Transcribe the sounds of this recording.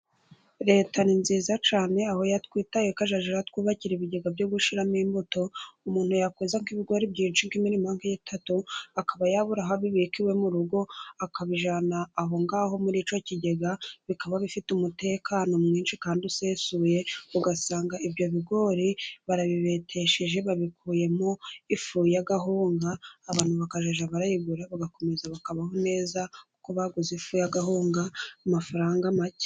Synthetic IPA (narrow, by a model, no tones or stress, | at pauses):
ɾe̞ːtʰaninziːzat͡ʃaːne̞aho̞jatkwiːtajekaʒaʒiɾatkwiːβaciɾeβiɟe̞ɡabɟoɡuʃiɾamiːmbuto̞umuːnhujakezaŋkiβiɡo̞ɾibɟiːnʃiŋkiminimaːŋkajitʰatuakaβajaβuɾaɦaβiβikiwe̞muɾuɡo̞akaβiʒanaːɦo̞ŋɡaːɦo̞muɾiːt͡ʃo̞ciɟe̞ɡaβikaβaβifitumute̞ːkʰaːno̞mŋiːnʃikaːndiuse̞suːje̞uɡasaːŋɡaibɟo̞βiɡo̞ːɾiβaɾaβiβe̞tʰe̞ʃeʒe̞βaβikʰuːje̞mo̞ifujaɡaɦuːŋɡaːβaːn̥huβakaʒaʒaβaɾajiɡuɾaβaɡako̞me̞zaβakaβaɦo̞ne̞ːza | koβaɡuzifuːjaɡaɦuːŋɡamafaɾaːŋɡamace̥